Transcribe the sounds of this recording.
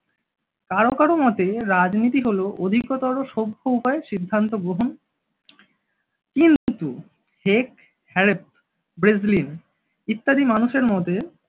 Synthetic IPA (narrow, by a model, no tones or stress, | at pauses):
kaɾokaɾomɔt̪eɾad͡ʑnit̪iɦoloʔod̪ʱikot̪aɾoʃobʱːoupaeʃid̪ʱːant̪oɡɾoɦon | kint̪u | hek̚ | hɛɾep̚ | bɾezlin | it̪ːad̪imanuʃeɾmɔt̪e